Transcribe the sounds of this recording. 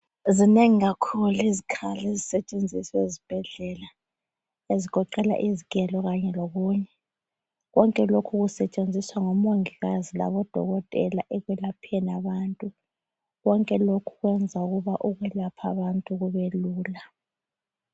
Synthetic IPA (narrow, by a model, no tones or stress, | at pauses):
zineŋiɣakʰuluezikʰalezisɛt͡ʃʼend͡zʱisezib̥ʱɛɮɛla | eziɡ̥ʱɔǃɛla̰ʔizikʼɛlɔɣaɲɛloɣuːɲɛ | ɣɔŋkʼɛlokʰuɣusɛt͡ʃʼend͡zʱiswaŋomoŋiɣazila̰βɔd̥ʱɔ̰ɣɔtʼɛlaʔɛɣwɛlapʰnaβantʼu | ɣɔŋkʼɛlokʰu̥ɣwɛnd͡zʱauɣuβaʔuɣwɛlapʰaβantʼuɣuβeluːla